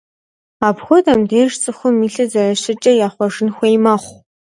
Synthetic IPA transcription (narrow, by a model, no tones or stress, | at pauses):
aːbxʷʊdɐmdeːʂt͡sʼɨxʷʊmiːɬɨzɐrɐʃɪt͡ʃʼɐjaːχʷɔʐɨnxʷejmɐχʷ